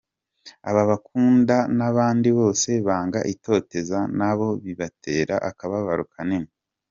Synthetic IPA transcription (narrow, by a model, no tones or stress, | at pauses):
a̰βaβakuːndanaβaːndiβo̞ːse̞βaːŋɡa̰ʔito̞te̞zanaβo̞βiβatʰe̞ːɾa̰ʔakaβaβaɾukʰanemo